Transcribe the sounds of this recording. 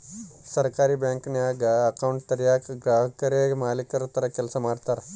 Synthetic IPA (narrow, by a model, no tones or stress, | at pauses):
sɐɾkaːɾibjaːŋknjaːɡɐkɐwɳʈ̚t̪ɐɾjaːkɡɾaːɦɐkɐɾemaːlikɐɾut̪ːɐɾɐkɛlsɐmaːɽt̪aːɾ